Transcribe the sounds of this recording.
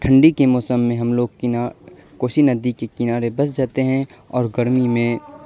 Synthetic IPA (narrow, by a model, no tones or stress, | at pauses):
ʈʰə̃ɳɖikemɔːsəmːẽɦɐmloːɡ̚kː | koːʃinɐd̪ikekɪnaːɾebɐsd͡ʒaːt̪eɦɛ̃ | ɔːɾɡɐɾmimẽ